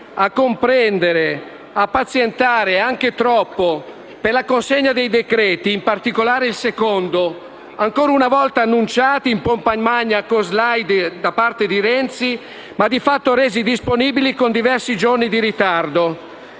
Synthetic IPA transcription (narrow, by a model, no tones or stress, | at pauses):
akːompɾɛnd̪eɾe | apːat̪sjent̪aːɾeaŋk̟et̪ɾɔpːo | perlakonseɲːad̪ejd̪ekɾɛːt̪iːmpart̪ikolaːɾeilsekond̪o | aŋkoːɾaunavɔlt̪aːnːunt͡ʃaːt̪iːmpompaɲmaɲːakozlajd̪d̪apart̪ed̪iɾɛnt̪si | mad̪ifat̪ːoɾɛːzid̪isponiːbilikond̪ivɛrsid͡ʒornid̪iɾit̪ard̪o